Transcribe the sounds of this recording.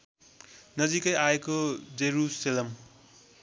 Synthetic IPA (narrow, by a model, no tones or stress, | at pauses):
nʌd͡zikʌjaekod͡zeɾuselʌm